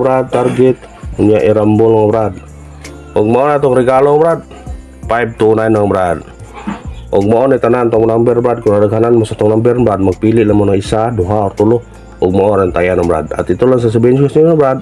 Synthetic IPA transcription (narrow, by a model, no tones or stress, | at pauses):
bɾad̪̚t̪ːarɡɛt̪̚ | uɲaʔiɾambɔlŋabɾad̪̚ | ɔɡ̚maɔnat̪ɔŋriɡalɔŋbɾad̪̚ | paip̚t̪unainaŋabɾad̪̚ | ɔɡ̚maɔnɛt̪anant̪ɔmunambɛrbɾad̪̚kuɾadakananmasat̪ɔŋnambɛrnbɾat̪̚mak̚piliʔlamanaisaduɦaɔrt̪ulu | ɔɡ̚maɔɾant̪ajanabɾa̰d̪̚a̰t̪it̪ulas̬as̬əbɛnt͡ʃkasiŋabɾad̪̚